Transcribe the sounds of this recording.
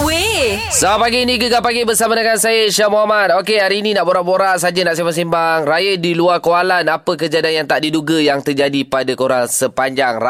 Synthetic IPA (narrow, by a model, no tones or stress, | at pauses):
wesapaɡiːnĩɡəɡapaɡibərsamadəŋansajəʃamoɦamat̪̚okeɦaɾiːninaʔboɾaʔboɾaʔsad͡ʒənaʔsimbas̬imbaŋrajədiluakoalanapək̬əd͡ʒadianjaŋt̪aʔdiduɡajaŋt̪ərd͡ʒadipadakoɾaŋsəpaɲd͡ʒaŋra